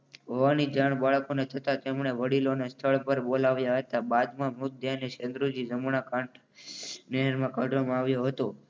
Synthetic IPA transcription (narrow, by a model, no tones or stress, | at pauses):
ɦoʋanid͡ʒaɳ̃baɭkonet̪ʰət̪at̪emɳ̃eʋəɽilonest̪ʰəɭpəɾbolaʋjaɦət̪abad̪mãmʊk̪̚d̪janeʃə̃nd̪ɾud͡ʒizəmunakãɳʈʰ | neɦəɾmãkaɖʱʋamãaʋjoɦət̪o